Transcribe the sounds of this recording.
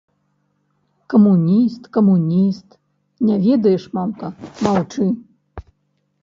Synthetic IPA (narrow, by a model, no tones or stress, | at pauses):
kɐmunʲist̪kɐmunʲist̪ | nʲavʲɛd̪ɐjɛʂmamkɐmawt͡ʂɨ